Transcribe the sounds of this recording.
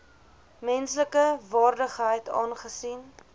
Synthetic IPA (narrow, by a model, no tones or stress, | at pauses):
mɛnsləkəvɑːrdəχɦəjtɑ̰ːnχəsin